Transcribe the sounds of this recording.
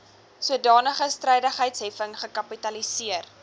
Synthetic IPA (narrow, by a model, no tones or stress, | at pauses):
suədɑːnəχəstrɛjdəχɦəjtsɦɛfəŋχəkɐpitɐlisiər